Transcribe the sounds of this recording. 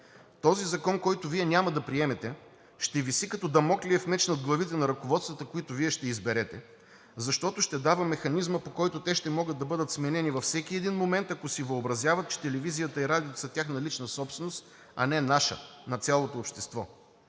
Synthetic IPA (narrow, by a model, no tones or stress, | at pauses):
t̪ɔzizɐkɔnkɔjt̪ʊviɛnʲamɐd̪ɐpɾiɛmɛt̪ɛ | ʃt̪ɛvisikɐt̪ɔd̪ɐmɔkliɛfmɛt͡ʃnət̪̚ɡlˠɐvit̪ɛnɐɾɐkovɔt̪st̪vɐt̪əkoit̪ʊviɛʃt̪ɛizbɛɾɛt̪ɛ | zɐʃt̪ɔt̪ʊʃt̪ɛd̪avɐmɛxɐnizməpokɔjt̪ot̪ɛʃt̪ɛmɔɡəd̪d̪ɐbɤd̪ət̪smɛnɛnivɐfsɛk̟iɛd̪inmomɛnt̪ɐkosivəobɾɐzjavɐt̪̚t͡ʃɛ̥t̪ɛlɛvizijət̪əiɾad̪ʲiot̪sɐt̪ʲjaxnɐlit͡ʃnəsɔpsvɛnost̪ | ɐ̰nɛnaʃə̰nɐt̪sʲjalˠot̪oːpʃt̪ɛst̪vɔ